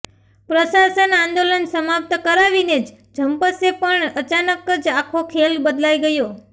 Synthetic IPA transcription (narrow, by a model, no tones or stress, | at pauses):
pɾəsasənãnd̪olənsəmap̚t̪kəɾaʋined͡ʒ | d͡ʒʱəmpəsepəɳət͡ʃanəkəd͡ʒakʰokʰelbəd̪laiɡəjo